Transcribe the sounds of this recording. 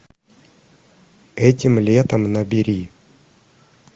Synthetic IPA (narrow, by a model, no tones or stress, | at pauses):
ɛtʲɪmlʲet̪əmnəbʲɪɾʲi